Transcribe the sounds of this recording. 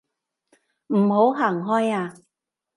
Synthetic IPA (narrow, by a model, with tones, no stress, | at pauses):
m̩˨˩ho˨˥wɦaː˨˩ŋɦɔː˥jaː˧